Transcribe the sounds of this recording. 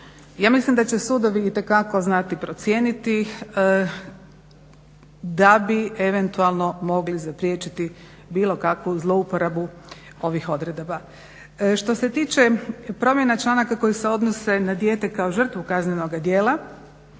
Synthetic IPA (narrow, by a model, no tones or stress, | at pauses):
jaːmislimd̪at͡ɕe̞sud̪o̞ʋiːt̪e̞kako̞znat̪ipɾo̞t̪sjeːnit̪i | d̪abieʋent̪ualˠno̞mo̞ɡlizapɾjeːt͡ʃit̪i | biːlˠo̞kakʋuzlˠo̞upoɾabu | o̞ʋixo̞d̪ɾed̪oba | ʃt̪o̞se̞t̪iːt͡ʃepɾo̞mjenat͡ʃlˠanakako̞jise̞o̞d̪nose̞nad̪je̞ːt̪e̞kao̞ʒr̩t̪ʋukazneno̞ɡad̪je̞ːla